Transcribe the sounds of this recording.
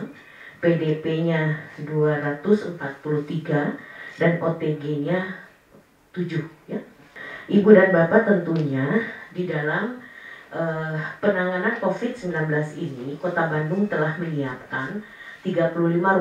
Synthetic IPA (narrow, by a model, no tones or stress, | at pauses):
pedepeɲaduaɾat̪ʊsəmpat̪̚puluht̪iɡadanot̪eɡeɲa | t̪ud͡ʒʊhja | ʔibudanbapat̪ənt̪uɲadidalamʔəpənaŋanankofɪd̪̚səmbilanbəlasinikot̪abandʊŋt̪əlahməniap̚kan | t̪iɡapuluhlima